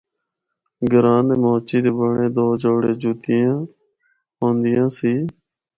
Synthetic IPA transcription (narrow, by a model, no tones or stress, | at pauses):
ɡəɾãːnd̪eːmoːt͡ʃiːd̪eːbəɳẽːd̪oːd͡ʒoːɽeːd͡ʒuːt̪ɪjãː | ɦõːnd̪ɪjãːsiː